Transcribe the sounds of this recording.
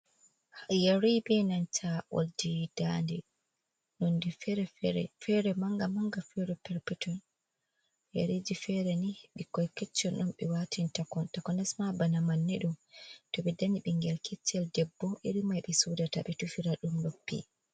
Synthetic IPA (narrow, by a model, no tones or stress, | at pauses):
hajaɾibɛnant͡ʃʰaʔo̰ldid̥andɛ | nondifɾɛɾɛ̰fɛɾɛmaŋɡamaŋɡafɛɾɛpɛɾpɛtʰɔn | ja̰ɾed͡ʒifɛɾɛnihɓikɔjkɛt͡ʃːɔnɗɔmɓɛwatintakɔntakɔnɛsmabanamanːɛɗumtɔɓɛdaniɓiŋɡɛlkʰɛt͡ʃːɛldɛbːɔʔiɾimajɓɛsudataɓɛtufiɾaɗumlopːḭ